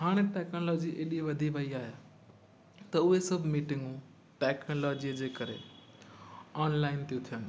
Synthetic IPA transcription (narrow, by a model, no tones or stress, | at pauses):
ɦaːɽ̃eʈɛːknolɔːd͡ʑiʔeːɗiʋɐd̪ʱiʋɐiaːɦija | t̪ɐʊɦesɐbʱmiːʈɪ̃ŋɡũ | ʈɛːknolɔːd͡ʑiəd͡ʑeːkɐɾḛ | ɔːnlaːɪnt̪ijũt̪ʰijənɪ̆